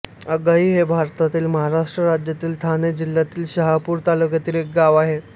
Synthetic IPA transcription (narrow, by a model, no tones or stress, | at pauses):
əɡaɦiːɦebʱaɾt̪at̪iːlməɦaɾaʂʈɾəɾad͡ʑjat̪iːlt̪ʰaned͡ʑil̤jat̪iːlɕəɦapuːɾt̪alukjat̪iːlek̚ɡaʋaɦe